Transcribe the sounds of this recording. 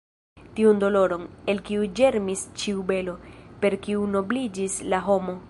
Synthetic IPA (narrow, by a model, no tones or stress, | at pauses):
tiundo̞lo̞ɾo̞ne̞lkiud͡ʒe̞ɾmist͡ʃiube̞lo̞pe̞ɾkiuno̞blid͡ʒislaɦo̞mo̞